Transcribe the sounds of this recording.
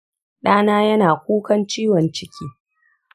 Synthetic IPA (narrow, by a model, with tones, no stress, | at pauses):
ɗaː˦naː˦jɐ˦naː˨kʷuː˦kɐ˦nt͡ʃiː˦wɔ˨nt͡ʃɪ˦kʲʰiː˦